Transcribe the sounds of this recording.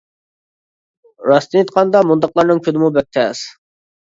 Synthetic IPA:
ɾɑst̪ɨit̪̚qʰɑnd̪ɑmund̪ɑqlˠɑɾnɨŋkʲʰød̪ɪmubɛk̚ʲt̪ʰɛs

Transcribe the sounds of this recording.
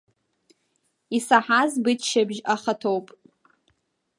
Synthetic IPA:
isaħazbɨt͡ʃʰʃabʒaχatʰowpʼ

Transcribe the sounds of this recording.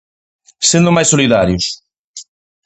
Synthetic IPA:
send̪ʊmajsoliðaɾjʊs

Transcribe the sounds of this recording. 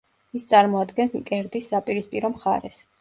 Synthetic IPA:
ist̪sʼaɾmɔad̪ɡɛnsmkʼɛɾd̪isːapʼiɾispʼiɾɔmχa̰ɾɛs

